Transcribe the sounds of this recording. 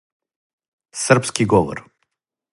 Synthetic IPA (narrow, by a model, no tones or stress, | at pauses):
sɨrpskiɡɔvɔ̰r